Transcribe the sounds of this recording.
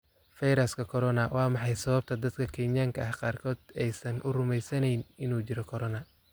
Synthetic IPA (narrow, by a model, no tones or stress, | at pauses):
fɐjɾɐskʰɐkʰɔɾɔnɐwɑːmɑħɑjsɐβɐb̚t̪ʰɐd̪ɐd̪kʰɐkʰɛːnjaːŋkʰɐʔɐhqɑːrkʰɔːd̪ɛjsɐnʔʊrʊmɛjsɐnɛjnɪnuːt͡ʃɪɾɔkʰɔɾɔnɐ